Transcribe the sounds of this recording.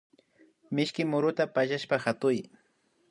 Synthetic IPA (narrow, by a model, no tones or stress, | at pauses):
mɪʃkɪmʊɾʊt̪apaʒaʃpahat̪ʊj